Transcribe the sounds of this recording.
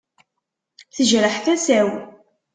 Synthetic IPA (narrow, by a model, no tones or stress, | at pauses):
θəʒɾəħθæsæw